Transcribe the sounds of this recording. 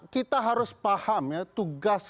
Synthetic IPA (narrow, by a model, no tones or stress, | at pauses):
kit̪aɦaɾʊspahamjat̪uɡas